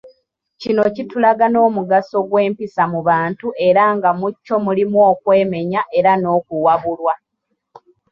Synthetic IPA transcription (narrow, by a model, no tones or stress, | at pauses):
cino̞citulaɡano̞ːmuɡaso̞ɡwe̞ːmpisamuβaːntuʔe̞ɾaːŋɡamucːo̞mulimwo̞ːkwe̞ːme̞ɲaʔe̞ɾano̞ːkuwaβulwa